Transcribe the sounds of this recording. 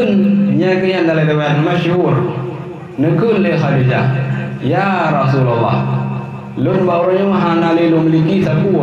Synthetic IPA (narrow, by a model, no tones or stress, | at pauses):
ɨnɲɛkːəɲandaledawɛnmaʃhuɾ | nəkɨnlexadid͡ʒajaɾas̬ulalːa̰ | lonbaɾoɲoŋɦanalelomlikisaku